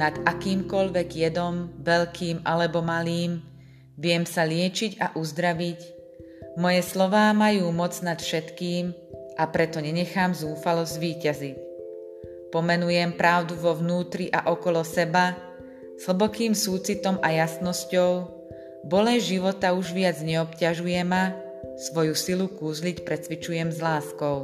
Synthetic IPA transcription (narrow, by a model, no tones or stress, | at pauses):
nad̪akiːmkɔʎʋɛɡjɛd̪ɔmʋɛʎkʰiːmalɛbɔmaliːm | ʋɪɛmsalɪɛt͡ʃiɟaʔuzd̪ɾaʋic | mɔjɛslɔʋaːmajuːmɔd͡znat̪fʃɛt̪kiːm | ʔapɾɛt̪ɔɲɛɲɛxaːmzuːfalɔzɟʋiːcazic | pɔmɛnujɛmpɾaʊd̪uʋɔʋnuːt̪ɾiʔa̰ʔɔkɔlɔsɛba | z̥hl̩bɔkiːmsuːt͡sit̪ɔmajasnɔscɔʊ | bɔlɛnʒiʋɔt̪auʒʋɪad͡zɲɛɔpcaʒujɛma | sʋɔjusilukuːzlicpɾɛt͡sʋit͡ʃujɛmzlaːskɔʊ